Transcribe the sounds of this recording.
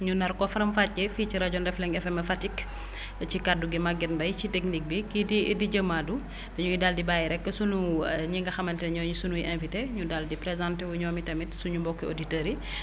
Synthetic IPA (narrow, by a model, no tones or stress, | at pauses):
ɲunɐɾkɔfɐɾɐmfat̚ɟɛfit͡ʃiɾɐɟɔndɛflɛŋɛfɛmɛfatik | cikaduɡimaɡɛnbɐjcitɛknik̚bikididiɟɐmːadu | bɛɲuidaːldibaːjiɾɛkːəsunuɲiŋɡɐxɐmɐntɛɲɔːɲusunujiʔɛ̃nfiteɲudaldipɾɛzãntɛwuɲɔmitɐmitsuɲumbɔkːio̰ditəɾi